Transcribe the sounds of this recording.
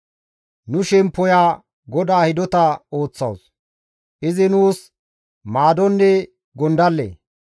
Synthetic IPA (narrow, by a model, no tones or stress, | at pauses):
nʊʃɛmpːɔjaː | ɡɔd̪aːhɪd̪ɔt̪ɐo̞ːt͡sːɐ̰ws | ʔɪzɪnuːs | maːd̪ɔnːɛ | ɡɔnd̪ɐlːḛː